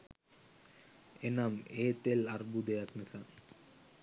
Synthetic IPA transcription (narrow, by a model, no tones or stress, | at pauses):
enameːt̪elaɾbud̪ejakmesa